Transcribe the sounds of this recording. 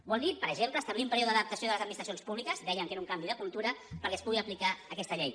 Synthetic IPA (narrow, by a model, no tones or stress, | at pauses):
bɔlˠd̪ipəɾəʒempləst̪əβliumpəɾioðəðəp̚t̪əsioðələzəd̪minist̪ɾsionspuβlikəzd̪ɛjəŋkezuŋkambiðəkulˠt̪uɾəpəɾkɛəspuɣiəplikaəkɛst̪əʎej